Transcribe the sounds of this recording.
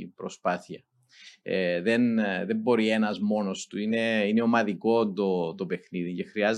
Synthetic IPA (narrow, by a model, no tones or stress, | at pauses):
pɾo̞spɐθiɐ | eðe̞nðe̞mbo̞ɾie̞nɐzmo̞no̞st̪uine̞ineo̞mɐðiko̞nd̪ot̪o̞pe̞xniðicexɾiɐz